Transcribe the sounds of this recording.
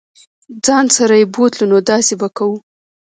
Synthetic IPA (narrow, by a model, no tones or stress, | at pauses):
d͡zɑnsaɾajebot̪lunod̪ɑsebakawu